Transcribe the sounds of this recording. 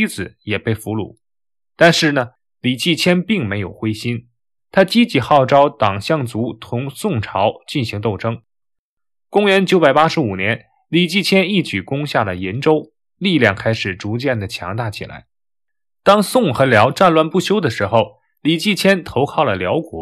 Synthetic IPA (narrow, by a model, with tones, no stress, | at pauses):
i˥t͡sɹ̩˨˩˦jɛ˨˩pe˥˩ɪfu˧˥lṵ˨˩˦ | t̪a˥˧nʂɻ̩˥˩nə˩ | li˨˩t͡ɕi˥˩t͡ɕʰjɛ˥npi˥˩ŋme˧˥ɪjo˨˩ʊxwe˥ɪɕi˥n | t̪ʰa˥t͡ɕi˥t͡ɕi˧˥xɑ˥˩ʊʈ͡ʂɑ˥ʊt̪ɑ˨˩ŋɕjɑ˥˩ŋt͡su˧˥t̪ʰʊ˧˥ŋsʊ˥˩ŋʈ͡ʂʰɑ˧˥ʊt͡ɕi˥˩nɕi˧˥ŋt̪o˥˩ʊʈ͡ʂɤ˥ŋ | kʊ˥ŋɥɛ˧˥nt͡ɕjo˧˥ʊpa˨˩ɪpa˥ʂɻ̩˧˥u˨˩njɛ˧˥n | li˨˩t͡ɕi˥˩t͡ɕʰjɛ˥ni˥˩t͡ɕy˨˩kʊ˥ŋɕja˥˩lə˩jɛ˧˥nʈ͡ʂo˥ʊ | li˥˧ljɑ˥˧ŋkʰa˥ɪʂɻ̩˨˩ʈ͡ʂu˧˥t͡ɕjɛ˥˩nd̪ə˩t͡ɕʰjɑ̰˧˥ŋt̪a˥˩t͡ɕʰḭ˨˩la̰˧˥ɪ | t̪ɑ˥ŋsʊ˥˩ŋxɤ˧˥ljɑ˧˥ʊʈ͡ʂa˥˧nlwa˥˧npu˥˩ɕjo˥ʊd̪ə˨ʂɻ̩˧˥xo˧ʊ | li˨˩t͡ɕi˥˩t͡ɕʰjɛ˥nt̪ʰo˧˥ʊkʰɑ˥˩ʊlə˩ljɑ˧˥ʊkwɔ̰˨˩˦